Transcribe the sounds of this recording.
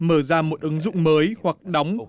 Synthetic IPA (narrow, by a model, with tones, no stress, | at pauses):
məː˧˩zaː˧mo˨˩t̚ʔɨ˨˦ŋzʊ̰˧˨ŋ͡mməː˨˦jhwa˨˩k̚ɗa˨˦wŋ͡m